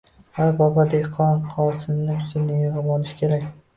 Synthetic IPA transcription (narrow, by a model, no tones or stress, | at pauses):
ajbɒbad̪eqʰɒnqʰɒsɪnːɪʊsɪnejɾabɒnɪʃkʲʰe̞ɾakʲ